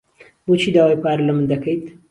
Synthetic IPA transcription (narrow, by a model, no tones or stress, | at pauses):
bot͡ʃʰiːd̪aːwajpaːɾlɐmənd̪ɐkɐjt̪